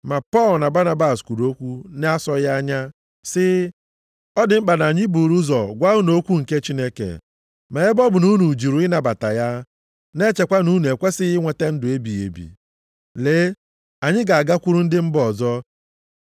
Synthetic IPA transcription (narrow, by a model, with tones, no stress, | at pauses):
ma˨pɔ˦˨lna˨ba˦na˦ba˨skʷu˨ɾo˦kʷu˦n˦a˦sɔ˦ja˦ɲa˦ | sɪ˦ | ɔ˦dɪ˨m̩˦k͡pa˨na˨ɲɪ˦bu˨ɾu˦zɔ˨ɡʷa˦u˦no˨˦kʷu˦ŋ̩˨ke˦t͡ʃi˦ne˦kḛ˨ | me˨e˦bɔ˦bʊ˨nu˦nu˨d͡ʒi˨ɾu˨ɪ˦na˨ba˨ta˨ja˦ | ne˦t͡ʃe˨kʷa˦nu˦ne˨kʷe˦sɪ˦ɪ˦ŋʷe˨te˦n̩˦dʊ˨e˦bi˨ḛ˨bḭ˨ | leː˨˦ | a˨ɲɪ˦ɡa˨a˨ɡa˦kʷu˦ɾu˦n̩˦dɪ˦m̩˦bɔ˨zɔ˦